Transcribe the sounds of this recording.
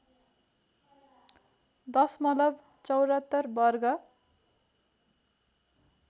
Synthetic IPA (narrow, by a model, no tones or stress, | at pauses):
d̪ʌsmʌlʌb | t͡sʌwɾʌt̪ːʌrbʌrɡʌ